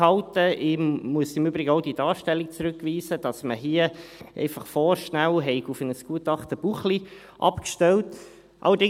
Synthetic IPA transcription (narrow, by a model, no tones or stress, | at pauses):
hɑltəʔɪmuəsɪmyːbɾɪɡəoʊd̥iːdɑːʃtɛlːik̚t͡sɾʉkʋiːsəd̥ɑsməɦiəʔɛ̰ɪfɑχfɔːɾʃnælɦɛɪɡufənəsɡ̥uətɑχt̪əb̥uχli | ʔɑ̰pkʃtɛlt | ʔɑ̰lədɪ